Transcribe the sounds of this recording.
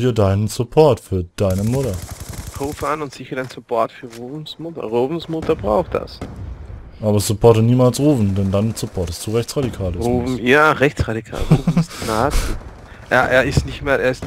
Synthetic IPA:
ɐdaɪnənsʊpʰɔɐtfyːɐd̥aɪnəmʊtɐkʰoːfanʊntz̥ɪçɐdaɪnsʊpʰɔɐtfyːɐʁoːvn̩smʊtɐ̰ʁoːvn̩smʊtɐbʁa̰ʊxt̚d̥a̰s | ʔaːbɐsʊpʰɔɐtəniːmaːlsʁuːfn̩dɛndansʊpʰɔɐtəst̚d̥uːʁɛçt͡sʁadikʰaːluːvn̩jaːʁɛçt͡sʁadikʰa̰ːlʁuːvstnaːtː | ʔja̰ːʔeːɐɪstnɪçtmeːlʔeːɐɪst

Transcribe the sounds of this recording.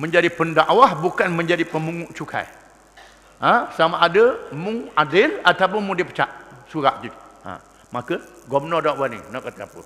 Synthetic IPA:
məɲd͡ʒadipəndaʔwahbukanməɲd͡ʒadipəmuŋuʔt͡ʃukʰa̰j | ə̃samaʔːdəmũadɪlat̪awp̬ʊnmũdɪpə̥t͡ʃa̰ʔsuɾaʔd͡ʒit̪ã̰ | makəɡɔmnɔdaʔwanḭnɔʔkat̪apə̰

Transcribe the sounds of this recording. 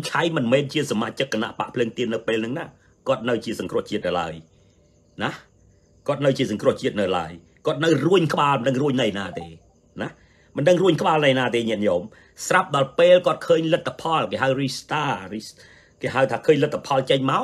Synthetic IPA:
t͡ɕʰajmɨnmɛːnt͡ɕiəsamaːt͡ɕɨk̚ːəna̰ʔpa̰ʔpʰləːŋt̪iənːɨwpeːlnɨŋnaː | kŏət̪̚nɨwt͡ɕiəsɑŋkrŭəht͡ɕiət̪̚nɨla̰əj | nah | kŏət̪̚nɨwt͡ɕiəsɑŋkrŭəht͡ɕiət̪̚nɨwla̰əj | kŏət̪̚nɨwruəɲkə̆ɓaːlmənɗəŋruəɲnɨjnaːt̪eː | nah | mɨnɗəŋruəɲkə̆ɓaːlnɨjnaːt̪eːɲɛəʔɲoːm | srap̚ɗɑlpeːlkŏət̪̚kʰəːɲlɨt̪ʰːapʰɑlkeːɦaəwrist̪aːri | keːɦaəwt̪ʰaːkʰəːɲlɨt̪ʰːḁpʰɑlt͡ɕəɲmaɔ

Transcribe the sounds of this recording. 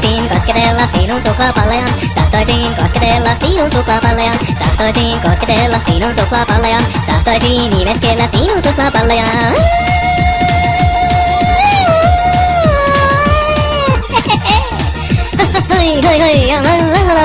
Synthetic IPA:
siːnkosket̪elːɑsiːnonsuklɑːpɑlːɑjɑt̪ɑht̪ojsiːnkosket̪elːɑsiːnonsuklɑːpɑlːɑjɑt̪ɑ̰ht̪ojsiːnkosket̪elːɑsiːnonsuklɑːpɑlːɑjɑt̪ɑht̪ojsiːnimeskeelːæsiːnonsuklɑːpɑlːɑjɑ | ojhojhojjɑɑlɑŋlɑlɑ

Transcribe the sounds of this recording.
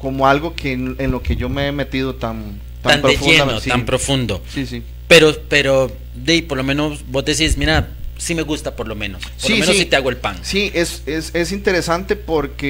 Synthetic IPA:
komoalɣokʰenenlo̞ke̞ʝo̞meeme̞t̪iðot̪an | t̪aamnpɾoefʝenot̪ampɾofund̪o̞sisi | pe̞ɾope̞ɾo | d̪ejpo̞ɾlo̞mẽ̞no̞sbo̞zd̪es̬ismiɾa | sime̞ɣust̪apoɾlo̞mẽ̞nospsɾiomenosit̪eaɣoelpaŋsiʔesesesint̪e̞ɾesant̪e̞poɾke

